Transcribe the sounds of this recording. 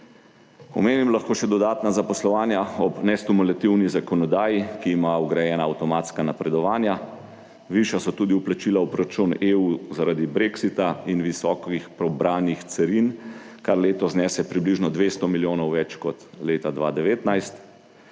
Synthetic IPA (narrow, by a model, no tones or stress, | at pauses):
ɔ̰meːnimlaxkoːʃɛd̪ɔd̪aːt̪nazapɔslɔʋaːnjaɔbnɛst̪umulat̪iwnizakɔnɔd̪aːjikiːmaɔɡɾajɛːnaːwt̪ɔmaːt̪skanapɾɛd̪ɔʋaːnja | ʋiʃjasɔt̪uːd̪iuplat͡ʃilaupɾɔɾat͡ʃuneuzaɾad̪ibɾeksit̪ainʋisɔkixpɾɔbɾaːnixt̪sɛɾinkaɾleːt̪ɔznɛːsɛpɾibliʒnɔd̪ʋest̪ɔmiljoːnɔwʋɛt͡ʃkɔt̪leːt̪ad̪ʋa̰ːd̪ɛʋeːt̪najst̪